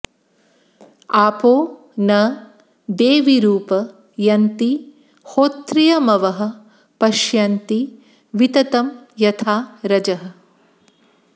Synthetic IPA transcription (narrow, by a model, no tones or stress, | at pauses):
aːpoː | nɐ | d̪eːʋiɾuːpɐ | jɐnt̪i | hoːt̪ɾijɐmɐʋɐɦɐ̆ | pɐʃjɐnt̪i | ʋit̪ɐt̪ɐmjɐt̪ʰaːɾɐd͡ʒɐɦɐ̆